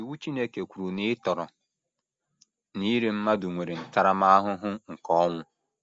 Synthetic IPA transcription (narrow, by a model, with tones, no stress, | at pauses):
i˨wu˦t͡ʃi˦ne˦ke˨kʷu˨ɾu˨nɪ˦tɔ˨ɾɔ˨ | ni˦ɾe˦m̩˦ma˦dʊ˨ŋʷe˨ɾe˨n̩˨ta˦ɾa˦ma˦a˦ɦʊ˦ɦʊ˦ŋ̩˨kɔ˦ɔ˦ŋʷʊ˦